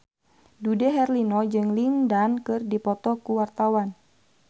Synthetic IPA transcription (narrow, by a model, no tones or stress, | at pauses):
dudɛɦɛrlinɔd͡ʒɨŋlindankɨrdipɔt̪ɔkuwart̪awan